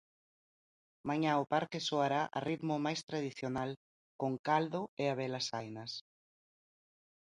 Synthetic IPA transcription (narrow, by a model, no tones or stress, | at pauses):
maɲaʊpaɾkesoaɾaʔa̰riðmʊmajst̪ɾað̞iθjonal | koŋkald̪ʊeaβɛlasajnɐs